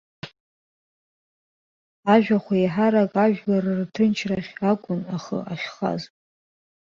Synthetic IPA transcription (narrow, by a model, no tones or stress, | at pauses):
aʒᶣʷaχʷaiħaɾakʼaʒᶣlarɨrtʰɨnt͡ʃʰraχʲakʷʼʊnaχə̰ʔaʃχa̰zʼ